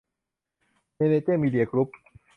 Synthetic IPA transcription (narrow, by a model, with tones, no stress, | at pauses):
ne˨ne˨t̪e˥˨mi˧d̪i˨a˨klu˦˥p̚